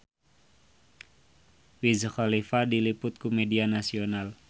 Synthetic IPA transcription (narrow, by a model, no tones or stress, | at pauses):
wizxalifadilipʊt̪̚kumedianasional